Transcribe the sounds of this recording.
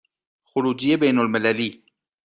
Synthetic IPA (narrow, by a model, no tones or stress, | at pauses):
xʊɾud͡ʒijebajnʊlmɪlali